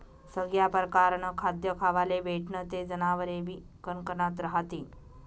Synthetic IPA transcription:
səɡjapəɾəkaɾnəkʰad̪jəkʰaʋaleʋeʈʰnət̪ed͡zənaʋəɾeʋi | kənkənat̪ɾəɦat̪iː

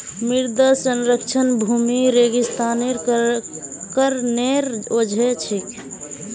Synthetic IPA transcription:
miɾd̪əsənɾək̚t͡ʃʰənbʱumiɾeɡist̪aneɾ | kəɾneɾod͡ʒʱet͡ʃʰik

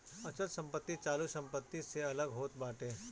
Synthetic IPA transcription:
ɐt͡ʃət̪sɐ̃mpət̪ːit͡ʃaːlusɐ̃mpət̪ːiseɐləɡɦoːt̪̚baːʈeː

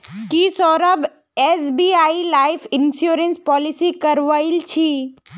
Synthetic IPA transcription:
kisɔɾəb | esbiailaifʰɪnsjuɾenspɔːlisikəɾʋailt͡ʃʰi

